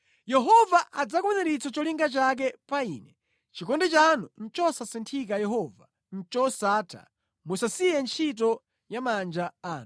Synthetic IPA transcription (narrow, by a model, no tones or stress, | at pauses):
jɛɦɔvaʔad͡zakwɛnɛɾit͡sʰɔt͡ʃɔliŋɡat͡ʃak̬ɛpaiːnɛ | t͡ʃikɔndɛt͡ʃanun̩t͡ʃɔsasɛntʰik̬ajɛɦɔva | n̩t͡ʃɔsatʰa̰ | musasijɛnt͡ʃʰitɔ | jamand͡ʒaaːn